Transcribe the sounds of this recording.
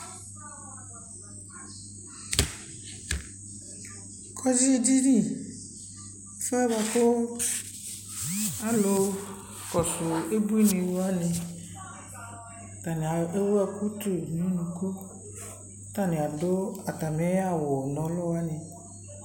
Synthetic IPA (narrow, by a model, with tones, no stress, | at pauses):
kʰɔ˦zi˦e˦d͡ʒi˦nĩ˦ | fe˦ɛ˦βa˨ko˦ | a˨lo˨ | kɔ˨sʊ˨e˦bu˦i˦nĩ˨wo˦a˦nɪ̃˨ | t̪a˨ni˨a˨e˦wa˦ku˦t̪u˨nĩ˨˦nũ˨ku˦ | t̪a˦nɪ̃˨a˨do˦a˨t̪a˨me˨˦a˦˨wɔ˨nɔ̃˨˦lɔ˦wa˦nɪ̃˨